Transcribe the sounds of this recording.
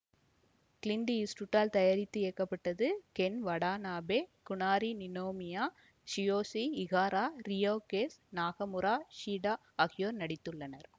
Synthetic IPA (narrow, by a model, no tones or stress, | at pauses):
kɪlɪnɖ̪iɪsʈuʈːaːlt̪ɐjɐɾɪt̪ːɯeːkːɐpːɐʈːɐðɯkɛnʋɐɽaːnaːbeːkʊɳaːɾinɪnoːmɪjaː | ʃɪjoːsiɪɣaːɾaːɾɪjoːkeːsnaːɣɐmɯɾaːʃiːɽaː | ɐɣɪjoːɾnɐɽɪt̪ːɯɭːɐnɐɾ